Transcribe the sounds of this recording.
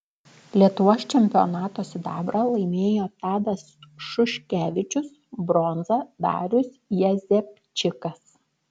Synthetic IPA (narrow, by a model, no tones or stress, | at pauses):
lʲiɛt̪ʊʋoːst͡ʃʲɛmʲpʲɪo̰nɑːt̪oːsʲɪd̪ɑːbɾɐlˠɐɪmʲeːjoːt̪ɑːd̪ɐsʃʊʃʲkʲæːʋʲɪt͡ʃʲʊs | bɾɔnzɐd̪ɑ̰ːɾʲʊsjɛzʲɛpʲ | t͡ʃʲɪkɐs